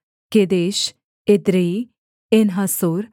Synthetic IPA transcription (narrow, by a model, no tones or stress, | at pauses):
ked̪eːʃ | ed̪ɾei | enɦasoɾ